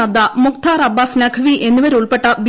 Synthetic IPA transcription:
ɐd̪ɐmukt̪ʰaːɾɐbːaːsnaːkʰɐʋiʔe̞nːuʋɐɾuɭpe̞ʈːɐbi

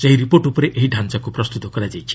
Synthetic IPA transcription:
seɦiɾipoɾʈupɔɾeʔeɦiɖʱant͡ʃakupɾɔst̪ut̪ɔkɔɾad͡ʒajt͡ʃʰi̥

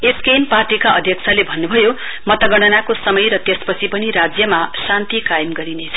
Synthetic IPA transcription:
eskejnparʈikaʔʌd̪ʱjʌk̚t͡sʰalebʱʌnːubʱʌjo | mʌt̪ʌɡʌɽ̃ʌnakosʌmʌjɾʌt̪espʌt͡sʰipʌniɾad͡zjʌmasant̪ikajemɡʌɾinet͡sʰʌ̥

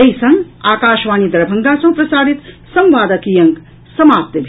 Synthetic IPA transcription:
ɐjsɐ̃ŋɡaːkaːʃʋaːnid̪ɐɾɐbʱɐŋɡaːsɐ̃ɦpɾɐsaːd̪it̪sɐmʋaːd̪ɐkijɐŋk | sɐmaːp̚t̪ɐbʱ

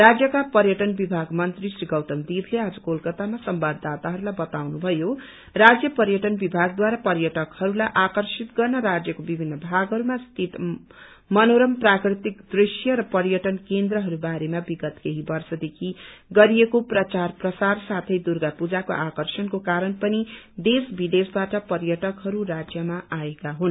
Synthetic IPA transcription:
rad͡zjʌkapʌɾjʌʈʌnbibʱaɡmʌnt̪risriɡʌwt̪ʌmd̪ibʰʱlead͡zʌkolkʌt̪amasʌmbabd̪at̪aɦʌɾulajbʌt̪awnubʱʌjo | rad͡zjʌpʌɾjʌʈʌnbibʱaɡ̚d̪waɾapʌɾjʌʈʌkhʌɾulajʔakʌrsit̪ɡʌrnʌɾad͡zjʌkobibʱinːʌbʱaɡɦʌɾumast̪ʰit̪ | mʌnoɾʌmprakrit̪ikd̪risjʌɾʌpʌɾjʌʈʌnkend̪ɾʌɦʌɾubaɾemabiɡʌt̪keɦibʌrsʌd̪ekʰiɡʌɾiekoprʌt͡sarprʌsarsat̪ʰʌjd̪urɡapud͡zakoʔakʌrsʌnkokaɾʌnpʌnid̪esbʱid̪esbaʈʌpʌɾjʌʈʌkɦʌɾurad͡zjʌmaʔaekaɦun

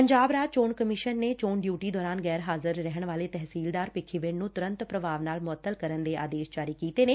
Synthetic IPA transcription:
pəɲd͡ʒaːbɾaːt͡ʃoːɳkəmɪʃənːeːt͡ʃoːɳɖjuːʈiːd̪ɔːɾaːnɡɛːɾɦaːzəɾːɛɦəɳ̃ʋaːleːt̪ɛɦsiːld̪aːɾpɪkʰiʋɪɳnũːt̪ʊɾə̃nt̪pɾəʋʱaːʋnaːlmʊət̪ːəlkəɾənd̪eːa̰ːd̪eːsd͡ʒaːɾiːkiːt̪eːneː

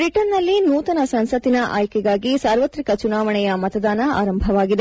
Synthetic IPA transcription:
bɾiʈɐnːɐlːinuːt̪ɐnɐsɐnsɐt̪inɐʔaːjkɛɡaːɡisaːɾʋɐt̪ɾikɐt͡ʃunaːʋɐɳɛjɐmɐt̪ɐd̪aːnɐa̰ːɾɐmbʱɐʋaːɡid̪e

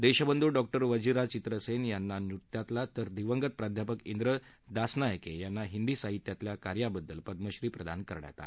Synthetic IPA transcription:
d̪eɕəbənd̪ʱuːɖɔk̚ʈəɾʋəd͡ʑiɾat͡ɕit̪ɾəsenjanːanut̪jat̪lat̪əɾd̪iʋəŋɡət̪̚pɾad̪ʱjapəkind̪ɾə | d̪asnajəkejanːaɦind̪iːsaɦit̪jat̪ljakaɾjabəd̪ːəlpəd̪məɕɾiːpɾəd̪a̰nkəɾɳa̰t̪a̰

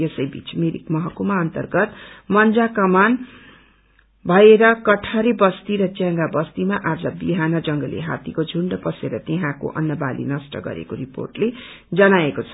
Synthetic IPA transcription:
jesʌjbʱḭt͡smiɾḭkmʌɦʌkumaʌnt̪ʌrɡʌt̪mʌnd͡zakʌman | bʱʌeɾʌkʌʈʰaɾebʌst̪iɾʌt͡sjãŋɡabʌst̪imaʔad͡zʌbiɦanʌd͡zʌŋɡʌlḛɦa̰t̪ikod͡zʱuɳɖʌpʌseɾʌt̪eɦãko̰ʔʌ̰nːʌbalḭnʌsʈʌ̰ɡʌ̰ɾḛkoɾipo̰rʈle | d͡zʌnaekot͡sʰʌ̥

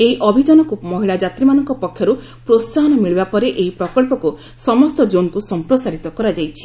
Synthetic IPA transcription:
eiʔɔbʱid͡ʒɔnɔkumɔɦiɭad͡ʒat̪ɾimanɔŋkɔpɔkʰːjɔɾu | pɾossaɦɔnɔmiɭibapɔɾeʔeɦipɾɔkɔɭpɔku | sɔmɔst̪ɔd͡ʒonkusɔmpɾɔsaɾit̪ɔkɔɾad͡ʒajt͡ʃʰi̥

